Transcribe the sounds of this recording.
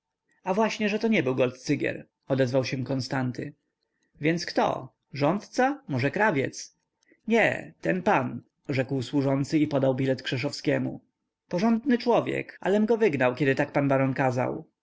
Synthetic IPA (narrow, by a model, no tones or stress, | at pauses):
avwaɕɲɛʐɛt̪ɔɲɛbɘwɡɔlt̪t̪sɘɡʲjɛ̰ɾ | ɔd̪ɛzvawɕɛ̃kɔnst̪ant̪ɘ | vʲjɛnt̪skt̪ɔ̰ | ʐɔnt̪t̪samɔʐɛkɾavʲjɛ̰t̪s | ɲɛ̰t̪ɛnpan | ʐɛkwswuʐɔnt̪sɘipɔd̪awbʲilɛt̪kʂɛʂ̬ɔfskʲɛmṵ | pɔʐɔnd̪nɘt͡ʂwɔvʲjɛ̰ka̰lɛmɡɔvɘɡnawkʲɛd̪ɘt̪ak̚panbaɾɔnkaza̰w